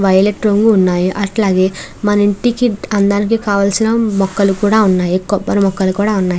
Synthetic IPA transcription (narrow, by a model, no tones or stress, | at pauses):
ʋɐjleʈɾoŋɡuːnːaːjuʔɐʈlaːɡe̞ːmɐnɐiɳʈikiɐnd̪ɐnik̬ikaːʋɐlsinɐmɔkːɐlukuːɽaːunːaːjikɔbːɐɾumɔkːɐlukuːɽaːunːaːji